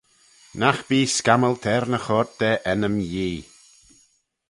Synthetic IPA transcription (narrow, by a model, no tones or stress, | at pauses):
naxb̥iːskaməlt̪ʰɛɾnəxɔːɾt̚d̪̥ɛʔɛnəmjiː